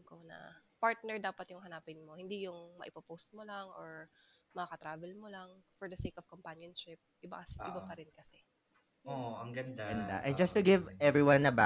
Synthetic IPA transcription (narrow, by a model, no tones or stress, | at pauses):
konɐ̰paɹt̪̚nɛɹd̪aːpɐt̪jʊŋɦɐnaːpɪnmohɪnd̪ijʊŋmɐ̰ʔɪpɐpost̪̚molaŋʔoɹmɐŋɐkɐt̪ɾaːvɛlmolɐŋfɔɹd̪ɐsejkɔv̥kɔmpanjɔnʃɪp̚ʔɪbasʔɪbapɐɾɪnkɐsɛ | oɐŋɡɐnd̪aɡɐnd̪a̰ʔɛnd͡ʒɐst̪ʊɡɪvʔɛvɹiwanɐba